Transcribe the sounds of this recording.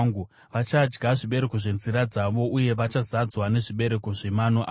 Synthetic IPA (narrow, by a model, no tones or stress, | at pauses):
ŋɡu | ʋat͡ʃad͡ʒɡaʐiɓe̞ɾe̞ko̞ʐe̞nziɾad͡zaʋo̞ʔuje̞ʋat͡ʃazad͡zwane̞ʐiɓe̞ɾe̞ko̞ʐe̞manoʔa